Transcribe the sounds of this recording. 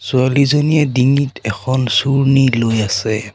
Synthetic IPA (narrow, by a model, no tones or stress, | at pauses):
sualizoniɛdiŋitɛkʰɔnsuɹnilojasɛ